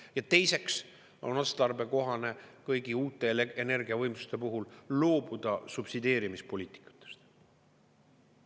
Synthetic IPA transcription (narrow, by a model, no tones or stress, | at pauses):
jɑt̪e̞jse̞ks | o̞̰nɑst̪ɑrbe̞ko̞ɦɑne̞kɤjɡ̥iuːt̪ːˑe̞ene̞rɡ̥iɑvɤjmsu̥st̪e̞puɦullo̞ːb̥ud̪̥ɑsupsid̪ʲe̞ːɾimispo̞lʲiːt̪ˑi̥kːˑu̥t̪ːˑe̥st̪